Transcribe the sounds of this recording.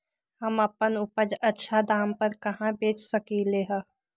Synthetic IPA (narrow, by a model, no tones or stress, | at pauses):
hɐmɐpənʊpəd͡ʒɐtːʃʰad̪aːmpəɾkɐɦãbeːt͡ʃsɐkileːɦaː